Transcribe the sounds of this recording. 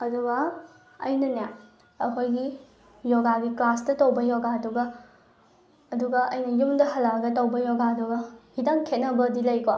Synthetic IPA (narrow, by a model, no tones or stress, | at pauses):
ɐduɡɐ | ɐ̰jnɐnja | ɐkʰojɡi | jɔɡaɡiklastɐtɐwbɐjɔɡaduɡɐ | duɡɐʔɐ̰jnɐjumdɐhɐlaɡɐtɐwbɐjɔɡaduɡɐhidaŋkʰet̚nɐbɐdilɐjko